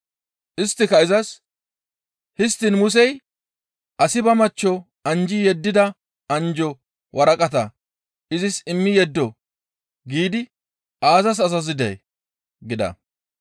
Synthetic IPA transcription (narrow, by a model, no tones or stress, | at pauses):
ʔɪst̪ːɪkɐɪzɐs | hɪst̪ːɪnmʊs̬ɛj | ʔɐsɪbɐmɐt͡ʃːɔ | ɐnd͡ʒɪjɛd̪ːɪd̪ɐ | ɐnd͡ʒɔ | wʔɐɾɐkʼɐt̪ɐ | ʔɪzɪsɪmːɪjɛd̪ːɔ | ɡiːd̪ɪ | ʔaːzɐs̬ɐs̬ɐs̬ɪd̪ɛ̰j | ɡɪd̪ɐ̰